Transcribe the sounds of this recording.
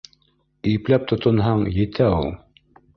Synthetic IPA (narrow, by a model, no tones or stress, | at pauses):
iɘplæp̚t̪ŏt̪ŏnɦɑɴjɘ̆t̪ʰæulˠ